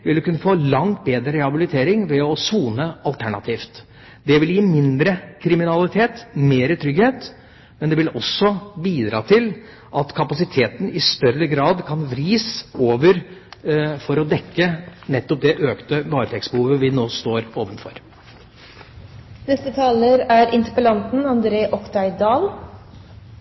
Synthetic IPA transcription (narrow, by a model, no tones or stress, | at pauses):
ʋɪld̪ʉkʉnːəfoːlɑŋt̪̚beːd̪ɾəɾɛhɑbɪlɪt̪ʰeːɾɪŋʋɛɔsuːnəɑlt̪ʰæɳɑt̪ʰiːft̪ | d̪ɛʋɪljiːmɪnd̪ɾəkʰɾɪmɪnɑlɪt̪ʰeːt̪meːɾət̪ʰɾʏɡheːt̪ | mɛnd̪ɛʋɪlɔsːɔbiːd̪ɾɑːt̪ʰɪl | ʔɑt̪kʰɑpɑsɪt̪ʰeːt̪n̩ɪst̪œɾəɡɾɑːd̪kʰɑnʋɾiːsoːʋəɾ | fɔɾɔd̪ɛkːənɛt̪ːɔp̚d̪ɛʔøːkt̪əʋɑːɾət̪ʰɛksbəhuːʋəʋɪnoːst̪oːɾoːʋənfɔ̰ɾ | nɛst̪ət̪ʰɑːləɾæɾɪnt̪əɾpəlɑnt̪n̩ɑnd̪ɾeːʔɔkt̪ʰɑɪd̪ɑːl